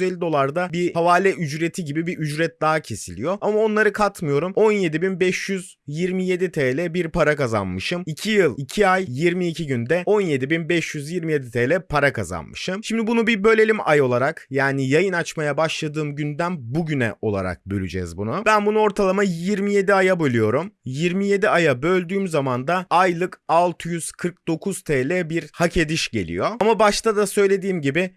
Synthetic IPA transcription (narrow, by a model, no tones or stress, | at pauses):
zeɛlʲːid̪o̞lˠaɾd̪abihavaːlʲɛʔyd͡ʒɾe̞t̪ʰiɟibibiʔyd͡ʒɾɛt̪̚d̪aɦacʰe̞silʲḭjo̞ʔamao̞nlˠaɾɯkʰat̪mɯjo̞ɾumo̞nje̞d̪ibinbɛʃjyz | jiɾmije̞d̪it̪ʰeːlʲɛbiɾpaɾakaza̰nmɯʃɯmicʰijɯlˠicʰiajjiɾmiːcʰiɟynd̪ɛo̞nje̞d̪ibinbɛʃjyzjiɾmijed̪it̪ʰeːlʲɛpʰaɾakʰaza̰nmɯ̰ʃɯmʃimd̪ibunubibø̞lʲe̞lʲimajo̞lˠaɾakjaːnijajɯnat͡ʃmajabaʃlˠad̪ɯːmɟynd̪ænbuɟynɛ̰ʔo̞lˠa̰ɾa̰k̚bølʲy̰d͡ʒɛ̰zbunʊbænbunuo̞ɾt̪ʰalˠamajiɾmije̞d̪iajabølʲyjo̞ɾumjiɾmije̞d̪iajabø̞lʲd̪yːmzamand̪aajlˠɯkalˠt̪ʰɯjyz̥kʰɯɾk̚d̪o̞kʰuz̥t̪ʰeːlʲɛbiɾhacʰe̞d̪iʃɟe̞̰lʲḭjo̞amabaʃt̪ʰad̪asø̞jlʲe̞d̪iːmɟibɪ